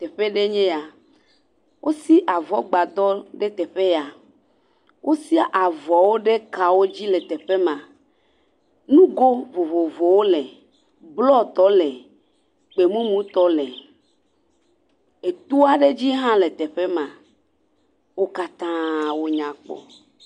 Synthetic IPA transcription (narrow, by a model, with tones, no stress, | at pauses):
t̪e˨ɸe˦ɖe˦ɲẽ˦a˨ | wʔo˦si˦ʔa˨vɔ˦ɡ͡ba˨d̪ɔ˦ɖe˦t̪ɛ˨ɸe˦ja˨ | wʔo˦si˦a˦ʔa˨vɔ˨wo˦ɖe˦ka˨wo˦d͡ʑi˦le˨t̪e˨ɸe˦mã˨ | nũ˦ɡo˦vo˨vo˨vo˨wo˦le˨ | blɔ˦t̪ɔ˦lɛ˨ | k͡pe˨mũ˦mũ˦t̪ɔ˦lɛ˨ | e˨t̪u˦a˦ɖe˦d͡ʑi˦ɦã˦le˨t̪ɛ˨ɸe˦mã˨ | wo˦ka˦t̪ã˦wo˦ɲã˨k͡pɔ̰˨